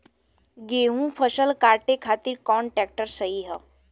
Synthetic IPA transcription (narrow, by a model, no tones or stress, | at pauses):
ɡeɦũfəʃəlkaɾʈekʰat̪iːɾkɔɳʈɾɛk̚ʈəɾsəɦiɦə